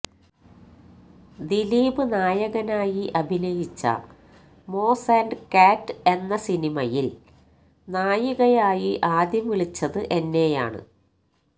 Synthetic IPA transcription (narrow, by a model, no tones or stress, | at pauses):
d̪iliːbɨnaːjɐɣɐnaːjiʔɐbʱinɐjit͡ɕːɐ̰ | mo̞ːsaːnɖɨkaːtːɨe̞nːɐsinimɐjil | naːjiɣɐjaːjiʔaːd̪jɐmʋiɭit͡ɕːɐðɨʔe̞nːe̞ja̰ːɳɨ̰